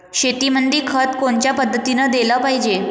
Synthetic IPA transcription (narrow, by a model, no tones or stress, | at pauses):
ɕet̪imənd̪iːkʰət̪koɳt͡ɕjapəd̪ʱːət̪inəd̪eləpaɦid͡ʑe